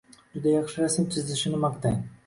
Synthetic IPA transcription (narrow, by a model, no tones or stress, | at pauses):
d͡ʒʊd̪ajɑχʃɪɾasmt̪ʰɪzɪʃɪnɪmɑqt̪aŋ